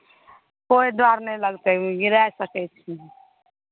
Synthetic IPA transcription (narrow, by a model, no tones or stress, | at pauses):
koid̪ʋaɾnɛləɡt̪eɡiɾasəkɛt͡ʃʰi